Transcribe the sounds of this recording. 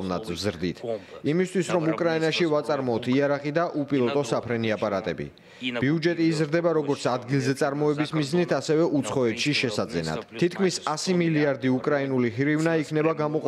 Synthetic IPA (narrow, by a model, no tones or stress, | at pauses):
vna̰t̪ʰvzɾd̪ḭt̪ʰimist̪ʰwisɾɔmukʼɾainaʃivat̪sʼaɾmɔt̪ʰiaɾaχid̪aʔupʼilˠɔt̪ʼɔsapʰɾɛniapʼaɾat̪ʼɛbḭ | b̥iud͡ʒɛt̪ʼiːzɾd̪ɛbaɾɔɡɔɾt̪sʰad̪ɡilˠzɛt̪sʼaɾmɔɛbismiznit̪ʰasɛvɛʔut̪sʰχɔɛt̪ʰʃiʃɛsad̪zɛ̰na̰d̪̥t̪ʰːit̪kʰmisasimiliaɾd̪iukʼɾainuliɦiɾivnaikʰnɛbaɡamɔqʼ